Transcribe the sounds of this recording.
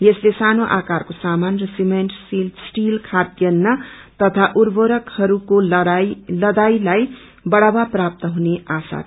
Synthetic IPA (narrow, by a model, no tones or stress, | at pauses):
jeslesanoʔakaɾkosamanrʌsimeɳʈsilsʈilkʰad̪jʌnːʌt̪ʌt̪ʰaʔuɾboɾʌkhʌɾuko | lʌd̪ajlaj | bʌɽabaprap̚t̪ʌɦuneasa̰t̪